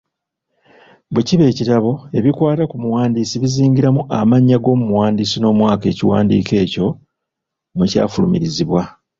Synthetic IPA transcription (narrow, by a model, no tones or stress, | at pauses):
beciβe̞ːcitaβo̞e̞βikwaːtakumuwaːndiːsiβiziːɲɟiɾamuʔamaɲːaɡo̞ːmumuwaːndisino̞ːmwaːke̞̰ːciwa̰ːndḭːke̞ːco̞ | muca̰ːfulṵmiɾiziβwa